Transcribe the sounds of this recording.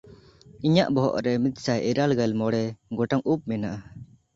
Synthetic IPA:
iɲaʔbɔɦɔ̰ʔɾɛmit̪̚sajʔɛɾalɡalmɔɽɛɡɔʈaŋup̚mɛnaʔa

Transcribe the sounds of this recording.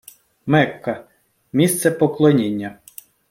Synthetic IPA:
mɛkːɐ | mʲist̪sɛpɔklˠɔnʲinʲːɐ

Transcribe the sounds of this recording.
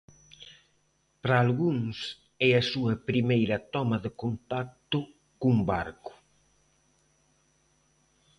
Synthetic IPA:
pɾaːlɣuŋs | ɛɐsuɐpɾimejɾɐt̪ɔmɐðekont̪ak̚t̪ʊ | kumbaɾkʊ̥

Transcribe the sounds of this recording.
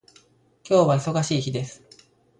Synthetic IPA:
kʲo̞ːβaiso̞ɡaɕiːçid̪e̞sɨ̥

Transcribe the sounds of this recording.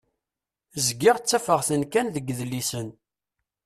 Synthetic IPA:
zɡɪʁt͡sːæfəʁθənkænðəɡðlisən

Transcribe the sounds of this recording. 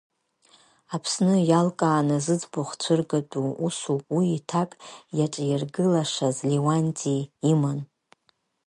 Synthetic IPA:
apʰsnɨjalkʼaːnazɨd͡zboχt͡ɕʷʰɨrɡatʼuusupʼwiːtʰakʼjaʈ͡ʂʼjarɡɨlaʂazlewantʼiːman

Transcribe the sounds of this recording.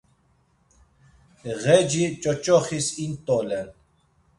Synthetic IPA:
ɣɛd͡ʒit͡ʃʼɔt͡ʃʼɔχisint̪ʼɔlɛn

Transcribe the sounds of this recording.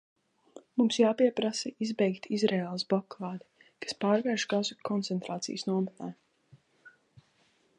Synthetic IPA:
mumsjaːpiɛpɾasɛizbɛjkt̪ʰizɾeːlˠsblˠɔkaːd̪i | kḁspaːɾvɛɾʃɡazukʰɔnt̪sɛnt̪ɾaːt̪sḭjəsnuɔmat̪aː

